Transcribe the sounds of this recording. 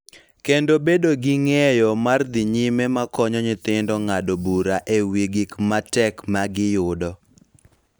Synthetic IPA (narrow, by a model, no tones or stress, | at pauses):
kendobedoɡɪŋɛjɔmard̪ɪɲimemakɔɲɔɲɪt̪ɪndɔŋadobuɾaʔewiɡɪkmatɛkmaɡɪjʊdɔ